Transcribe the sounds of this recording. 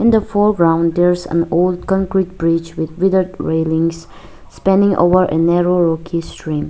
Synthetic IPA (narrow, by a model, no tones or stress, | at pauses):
ɪ̃nd̪əfɔɹɡɹãʊ̃nd̪ɛɹzə̰̃nold̚kɔ̃ŋkɹit̚b̥ɹid͡ʒwɪd̪wɪdədɹelɪ̃ŋs | spɛ̃ndɪ̃ŋʔo̰vəɹʔḛnɛɹoɹɔkʰistʰɹĩm